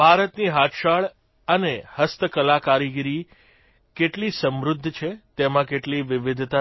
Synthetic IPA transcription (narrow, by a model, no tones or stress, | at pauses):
bʱaɾət̪niɦat̪ʃaɭ | ənehəst̪əkəlakaɾiɡiɾi | keʈlisəmɾʊd̪ʱːt͡ʃʰet̪emãkeʈliʋɪʋɪd̪ʱt̪a